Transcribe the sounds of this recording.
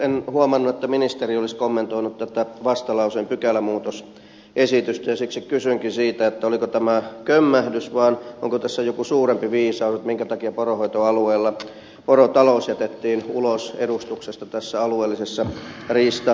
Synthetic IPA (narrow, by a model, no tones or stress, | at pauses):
enhuɑmɑnːuet̪ːæminist̪erioliskomːent̪oinut̪t̪ːæt̪æʋɑst̪ɑlɑusempykælæmuːt̪os | ʔesit̪yst̪æjɑsiksikkysyŋkinsiːt̪æet̪ːæolikot̪æmækømːæhdysʋɑːnoŋkot̪æsːæjokusuːrempiʋiːsɑuset̪miŋkæt̪ɑkiɑporohoit̪oɑlueːlːɑ | porot̪ɑloˑsjæt̪et̪ːiːnulosḛɾust̪uksest̪ɑt̪æsːæɑlueːlːisesːɑriːst̪ɑ